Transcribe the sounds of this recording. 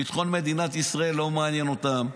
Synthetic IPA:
pit̪χonmed̪inat̪isʁaelːomaanjenot̪am

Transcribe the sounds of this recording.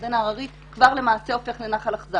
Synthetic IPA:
denaʁaʁit̪ | kvaʁle̞maːseo̞fe̞χlenaχalaχza

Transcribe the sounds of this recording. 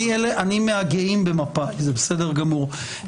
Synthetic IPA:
ieleʔanimeaɡeimbemapaizebesedeʁɡamuʁ

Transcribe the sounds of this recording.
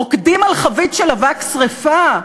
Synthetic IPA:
okdimalχavitʃelavaksʁefa

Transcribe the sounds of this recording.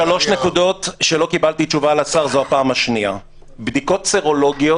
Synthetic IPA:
ʃalo̞ʃnekud̪o̞tʃe̞lo̞kibalt̪it͡ʃuvaːlasaʁzoapaːmaʃnia | bd̪iko̞tseʁolo̞ɡijo

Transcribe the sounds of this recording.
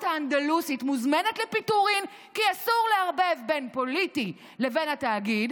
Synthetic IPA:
taand̪alusitmuzme̞netle̞pituʁim | kiasuʁleaʁbe̞vbe̞npo̞liti | le̞ve̞nhataːɡid

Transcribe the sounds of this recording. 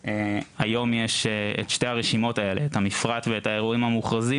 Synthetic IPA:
eajo̞mjeʃeetʃte̞aʁeʃimo̞tae̞le̞ːtamifʁatveethaeʁuimhamuχʁazi

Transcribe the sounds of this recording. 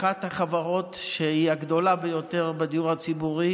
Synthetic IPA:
at̪haχavaʁo̞tʃeiaɡd̪o̞labejo̞te̞ʁbed̪ijuʁhat͡sibuʁi

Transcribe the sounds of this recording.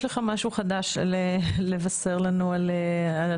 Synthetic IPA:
leχamaʃuχad̪aʃlelevaseʁlanualeal

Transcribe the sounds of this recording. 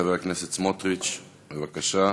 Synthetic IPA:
aveʁakneset͡smot̪ʁit͡ʃ | bevakaʃa

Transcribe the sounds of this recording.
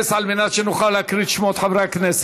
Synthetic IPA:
salminat͡ʃʰinuχalakʰɾit͡ʃʰmɔt̪ʰavɾakʰnɛs

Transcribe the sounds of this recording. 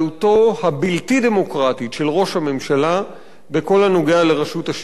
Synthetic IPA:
uto̞habiltide̞mo̞kʁatiʃe̞lʁo̞ʃhamemʃala | beko̞lhanoɡealeʁaʃuthaʃ

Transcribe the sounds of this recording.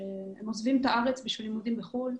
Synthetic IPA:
ehemozvimt̪aʔaʁet͡sbiʃvilimud̪imbeχul

